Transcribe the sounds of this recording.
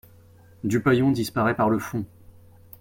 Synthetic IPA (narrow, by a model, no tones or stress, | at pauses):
d̪ypajɔ̃d̪ispaʁɛpaʁləfɔ̃